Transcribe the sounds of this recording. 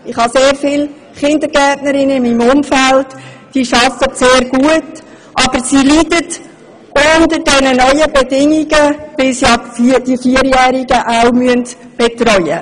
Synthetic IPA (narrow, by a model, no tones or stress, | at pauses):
ɪχhɑseːɾfɪːl | χɪndəɾɡɛtnəɾɪnəɪmːiːmʊmfælt | d̥iːʃɑfətseːɾɡ̥uət | ʔɑb̥əɾsilidət | ʔʊndəɾdɛnənœʏəbedɪŋiɡəʋɪlsiɑd̥ifiːəɾjɛːɾiɡəʔaʊmyənt | b̥etɾœʏə̰